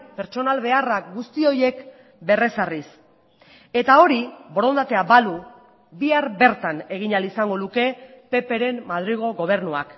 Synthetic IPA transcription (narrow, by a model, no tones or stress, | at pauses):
pe̞ɾt͡ʃo̞nalβe̞araɡust̪io̞je̞k | be̞re̞saris | e̞t̪ao̞ɾibo̞ɾo̞nd̪at̪e̞abalu | biaɾβe̞ɾt̪ane̞ɣ̞iɲalisaŋɡo̞luke̞pe̞pe̞ɾe̞mmað̞ɾiɣ̞o̞ɣo̞β̞e̞rnua̰k